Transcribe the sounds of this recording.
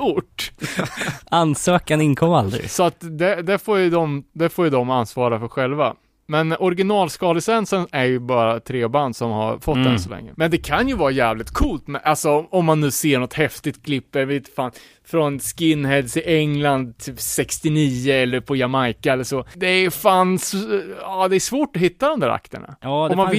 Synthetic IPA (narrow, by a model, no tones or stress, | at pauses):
uʈ | ansøːkanɪnkʰɔmːa̰ld̪ɾɪ̰sɔat̪d̪ɛd̪ɛfoːɾjɵd̪ɔmd̪ɛfoːɾjɵd̪ɔmansvɑːɾafœɾɧɛlva̰ | mɛnɔɾɡɪnɑːlskɑːləsɛnsənæɾjɵbɑːɾat̪ʰɾeːband̪sɔmha̰ɾfɔt̪ːd̪ɛ̰nsɔlɛ̰ŋːə̰mɛnd̪ɛkʰanjɵvɑːɾajɛːvlɪt̪kʰuːlt̪mɛʔalsɔɔmːanːʉ̟ːseːɳɔt̪hɛft̪ɪt̪̚kʰlɪpːɛvet̪faːn | fɾɔnskɪnːhɛlsɪʔɛŋland̪̚t̪ʰyːpsɛkst̪ɪniːəɛlːəɾpʰɔjamajkaɛlːəʂɔd̪ɛjfaːnsɑːd̪ɛːʂvoːʈɔɦɪt̪ːad̪ɔmd̪æːɾa̰kt̪əɳa̰ɔma